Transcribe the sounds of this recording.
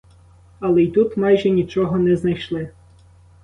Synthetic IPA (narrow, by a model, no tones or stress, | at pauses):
ɐlˠɛjt̪ut̪mɑjʒɛnʲit͡ʃɔɦɔnɛznɐjʃlˠɪ